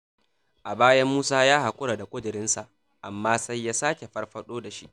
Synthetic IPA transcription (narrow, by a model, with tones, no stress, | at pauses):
ʔa˨baː˦jɐ˦mːuː˦saː˦jaː˦ha˨kʷʼʊ˦ɽa˨da˨kʷʼʊ˦dʊ˨ɾɪ˦nsa˨ʔ | ʔa˨mːaː˦sa˦jːaː˦saː˦kʲe˨ɸɐ˦rɸɐ˦ɗoː˦da˨ʃḭ˦ʔ